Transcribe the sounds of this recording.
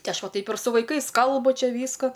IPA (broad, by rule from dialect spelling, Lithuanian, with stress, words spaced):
ˈtʲɪ ˈɐʃ ˈʋɐ ˈtɐɪp ɪr sʊ ʋɐɪˈkɐɪs ˈkɐlˠbʊ ˈt͡ʃʲɛ ˈʋʲiːskoː